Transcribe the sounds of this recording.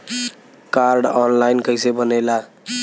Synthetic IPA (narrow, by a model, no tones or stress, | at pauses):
kaɾɖɔnlaɪnkəɪsebənela